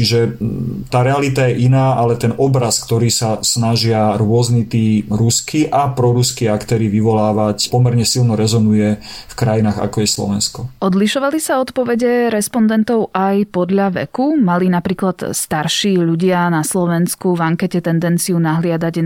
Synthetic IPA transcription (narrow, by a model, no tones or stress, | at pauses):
t͡ʃiʒɛt̪aːɾɛalit̪ajɛʔinaːʔalɛt̪ɛnɔbɾaskt̪ɔɾiːsasnaʒɪaɾʊɔznit̪iːɾuskiʔapɾɔɾuskiːakt̪ɛːɾiʋiʋɔlaːʋacpɔmɛɾɲɛsilnɔɾɛzɔnujɛ | fkɾajinaːɣa̰kɔjɛslɔ̰ʋɛnskɔʔɔd̪liʃɔʋalisaɔt̪pɔʋɛɟɛɾɛspɔnd̪ɛnt̪ɔʊʔajpɔd̪ʎaʋɛ̰kumalinapɾiːklat̪st̪aɾʃiːʎuɟɪanaslɔʋɛnskuvaŋkɛcɛt̪ɛnd̪ɛnt͡siunaɦlɪad̪aɟ